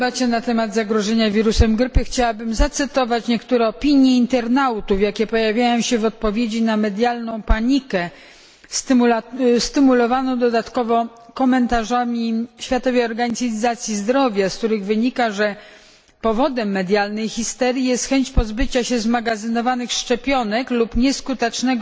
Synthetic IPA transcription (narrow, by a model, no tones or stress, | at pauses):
bat͡ɕɛnat̪ɛmad̪zaɡɾɔʐɛɲavʲiɾusɛmɡɾɘpɘxt͡ɕawabɘmzat̪sɘt̪ɔvat͡ɕɲɛkt̪uɾɛɔpʲiɲjɛint̪ɛɾnawt̪ufjakʲɛpɔjavʲjajɔ̃w̃ɕɛvɔt̪̚pɔvʲjed͡ʑinamɛd̪jalnɔ̃w̃paɲikɛ | st̪ | st̪ɘmulɔvanɔd̪ɔd̪at̪kɔvɔ | kɔmɛnt̪aʐamʲiɕfʲjat̪ɔvʲeɔɾɡaɲizat̪sʲjizd̪ɾɔvʲjaskt̪uɾɘɣvɘɲikaʐɛ | pɔvɔd̪ɛmːɛd̪ʲjalnɛjxʲist̪ɛɾʲjijɛst̪xɛɲt͡ɕpɔzbɘt͡ɕaɕɛzmaɡazɘnɔvanɘxʂt͡ʂɛpʲjɔnɛklupɲɛskut̪ɛt͡ʂnɛɡ